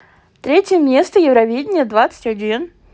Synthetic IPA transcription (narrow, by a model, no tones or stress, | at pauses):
t̪ɾʲetʲjəmʲe̞st̪əjɪvɾɐvʲedʲɪnʲɪjəd̪vat̪sə̥tʲɐdʲin